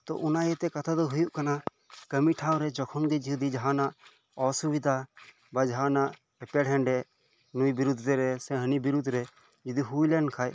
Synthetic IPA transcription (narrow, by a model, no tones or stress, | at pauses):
t̪ɔ̰ʔʊnaɛt̪ɛkɐt̪ʰad̪ɔɦʊjuʔkana | kəmiʈʰawɾɛd͡ʒɔkʰɔnɡɛd͡ʒiɦud̪id͡ʒɦanaʔ | ɔsubid̪ʱa | bad͡ʒɦanaʔ | ɛpɛɽɦɛ̃ɳɖɛ | nujbiɾud̪ʱɾɛɾɛsɛ̃ɦənibiɾud̪ʱɾɛ | d͡ʒd̪iɦujlɛnkʰaj